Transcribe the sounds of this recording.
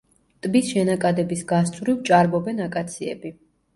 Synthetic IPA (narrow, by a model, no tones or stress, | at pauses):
t̪ʼbisʃɛnakʼad̪ɛbisɡast̪sʼvɾivt͡ʃʼaɾmɔbɛnakʼat̪sʰiɛ̰bi